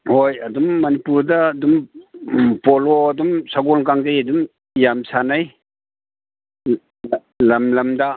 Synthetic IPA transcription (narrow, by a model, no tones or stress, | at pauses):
hojɐdumːɐnipuɾdɐːdum | poloɐdumsaɡolkaŋdajɐdum | jamsʰanaj | lɐmlɐmda